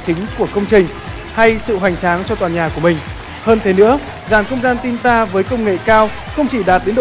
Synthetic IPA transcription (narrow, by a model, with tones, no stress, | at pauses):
t͡ɕï˨˦ŋ̟ku˧˩əkə˧wŋ͡mt͡ɕï˨˩ŋ̟ | ha˧jsɨ̰˧˨ɦwa˨˩jŋ̟t͡ɕaː˨˦ŋt͡ɕɔ˧t̪waː˨˩nɲaː˨˩ku˧˩əmï˨˩ŋ̟ | həː˧nt̪ʰe˨˦nɨ̰˧˥ə | zaː˧˩nxə˧wŋ͡mzaː˧nt̪i˧nt̪aː˧vəː˨˦jkə˧wŋ͡mŋḛ˧˨kaː˧w | xə˧wŋ͡mt͡ɕi˧˩ɗaː˨˩t̚ɗe˨˦nɗ